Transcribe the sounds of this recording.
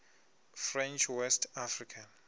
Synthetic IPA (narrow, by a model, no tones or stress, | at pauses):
frɛ̃nt͡ʃʰwɛstʰafrikʰan